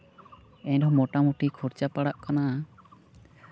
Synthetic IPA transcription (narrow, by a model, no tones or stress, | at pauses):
ɛɲɖɔmɔʈamuʈikʰɔɾt͡ʃapaɽaʔkana